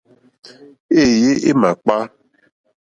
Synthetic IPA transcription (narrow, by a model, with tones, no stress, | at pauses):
e˦˨je˦ʔe˦ma˨k͡pa˦